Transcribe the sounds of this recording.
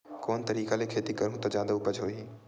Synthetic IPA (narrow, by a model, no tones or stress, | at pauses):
koːnt̪ɐɾiːkalekʰeːt̪ikɐɾũt̪ɐd͡ʒãːnd̪upɐd͡ʒɦoːiː